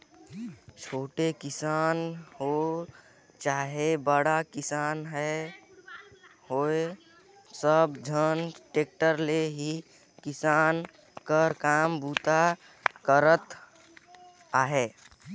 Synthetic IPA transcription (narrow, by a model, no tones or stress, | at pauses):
t͡ʃʰoːʈekɪsaːnɦo | t͡ʃaːɦebəɽakɪsaːnɦɛ | hoe | səbd͡ʒʱənʈeːk̚ʈəɾleɦi | kɪsaːn | kəɾkaːmbuːt̪a | kəɾət̪ | aːɦeː